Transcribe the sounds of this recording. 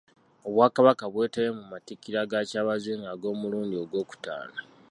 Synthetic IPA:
o̞βwaːkaβakaβwe̞ːteβemumatikːiɾaɡacaːβaziːŋɡaɡo̞ːmuluːndio̞ɡwo̞ːku̥ta̰ːla

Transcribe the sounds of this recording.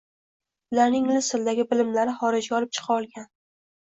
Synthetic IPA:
ʊlaɾnɪŋlɪsɪld̪aɡʲɪbɪlɪmlaɾɪχɒɾɪd͡ʒɡʲaɒlɪp̚t͡ʃʰɨ̥qʰɑɒlˠɡʲan

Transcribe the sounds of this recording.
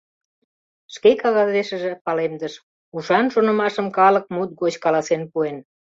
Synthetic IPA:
ʃkekɑɣɑzeʃə̆ʒĕpɑlemd̪əʃ | uʃɑnʃonə̆mɑʃəmkɑlək̚mut̪̚ɣot͡ɕkɑlɑsenpuen

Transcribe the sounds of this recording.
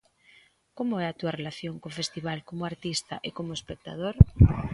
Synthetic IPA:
komʊɛat̪uɐrelaθjoŋkofest̪iβ̞alkomʊaɾt̪ist̪ɐʔekomʊespek̚t̪a̰ð̞oɾ

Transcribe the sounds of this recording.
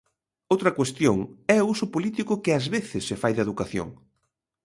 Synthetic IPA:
owt̪ɾɐkwest̪joŋɛousʊpolit̪ikʊkɪazβeθɪsːɪfajðeðukaθjo̰ŋ

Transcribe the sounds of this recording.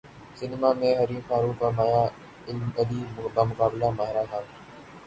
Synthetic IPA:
sɪnmaːmẽːɦəɾiːfaːɾuːfəmaːjaː | ɪlməd̪iːbamʊkaːbɪlaːmaːɦɪɾaːt̪ʰaː

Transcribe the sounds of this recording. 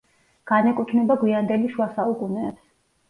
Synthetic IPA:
ɡ̥anɛkʼut̪ʰnɛbaɡwiand̪ɛliʃuasaukʼunɛːbs

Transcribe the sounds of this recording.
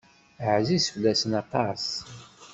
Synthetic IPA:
ʕzisflːæsənɑt̪ˤɑs

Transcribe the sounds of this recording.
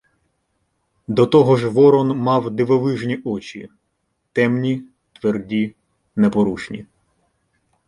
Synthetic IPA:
d̪ɔt̪ɔɦɔʒʋɔɾɔnmɑwd̪ɪʋɔʋɪʒnʲiʔɔt͡ʃʲḭ | t̪ɛmnʲi | t̪ʋerdʲi | nepɔɾut͡ʃnʲḭ

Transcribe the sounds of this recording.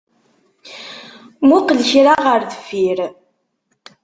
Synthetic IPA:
muqlçɾaʁəɾðəfiɾ

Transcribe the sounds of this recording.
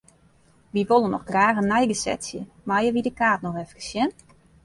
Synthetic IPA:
ʋiʋolˠənɔxɡraːxənːɛjɡəsɛ̰tsjə | majəʋidəkaːtnɔxɛfkə̥sjɛn

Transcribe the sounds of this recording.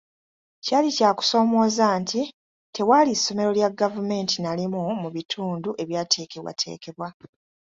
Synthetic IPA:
caːlicaːku̥so̞ːmo̞ːzaːntʰi | tʰe̞waːlisːo̞me̞ɾo̞ljaɡavume̞ːntinalimumuβitʰuːnduʔe̞βjaːtʰe̞ːke̞βwa̰tʰe̞̰ːke̞βwa

